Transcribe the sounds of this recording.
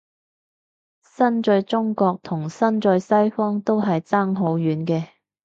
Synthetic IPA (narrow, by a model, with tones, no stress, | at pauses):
sɐ˥nt͡ʃɵ˧ɥt͡sʊ˥ŋkɔː˧k̚t̪ʰʊ˨˩ŋsɐ˥nt͡ʃɵ˧ɥsɐ˥jfɔː˥ŋt̪o˥wɦɐ˨jt͡saː˥ŋɦo˨˥wjyː˨˥nkɛː˧